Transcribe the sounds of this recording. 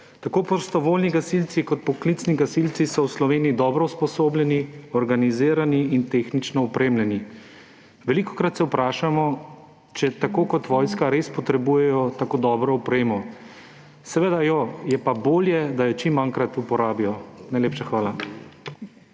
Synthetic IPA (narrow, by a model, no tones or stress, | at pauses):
t̪akoːpɔst̪ɔʋoːlniɡasilt̪sikɔt̪̚pɔklit̪sniɡasilt̪sisɔwslɔʋeːnijid̪ɔːbɾɔwspɔsoːblʲjɛniɔɾɡaniziːɾaniːnt̪eːxnit͡ʃnɔɔpɾeːmljɛni | ʋɛlikɔ̥kɾat̪sɛwpɾaːʃamɔ | t͡ʃɛt̪akoːkɔt̪ʋɔjskaɾespɔt̪ɾɛbujɛjɔt̪akoːd̪ɔːbɾɔupɾeːmɔ | sɛʋed̪ajɔjɛpaboːljɛd̪ajɔt͡ʃimːaŋkɾat̪upɔɾaːbijɔnajleːpʃaxʋaːla